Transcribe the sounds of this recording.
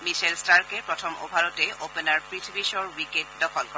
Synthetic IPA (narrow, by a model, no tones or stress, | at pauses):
miʃʰelstaɹkepɹɔtʰɔmʔo̰bʱaɹɔteʔopenaɹpɹitʰibiʃɔɹwiket̚dɔkʰɔlkɔ